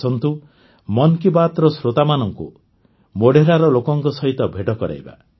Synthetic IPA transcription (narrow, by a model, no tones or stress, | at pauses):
ɔnt̪u | mɔnkibat̪ɾɔsɾot̪amanɔŋkṵ | moɽeɾaɾɔlokɔŋkɔsɔɦit̪ɔbʱeʈɔkɔɾa̰ɦjba̰